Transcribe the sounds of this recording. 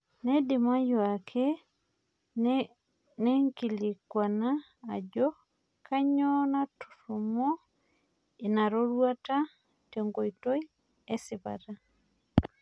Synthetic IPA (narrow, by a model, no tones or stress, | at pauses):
nɛdimajoakʰɛ | nɛŋkilikwanaː | d͡ʒɔ | kʰaɲɔnatu̥ɾumɔ | inaɾɔɾwata | tɛŋɡoitoi | ɛsipa̰ta